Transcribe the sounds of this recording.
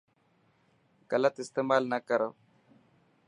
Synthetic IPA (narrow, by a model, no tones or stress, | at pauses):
ɡ̥ɐlət̪ɪst̪eːmaːlnɐkəɾo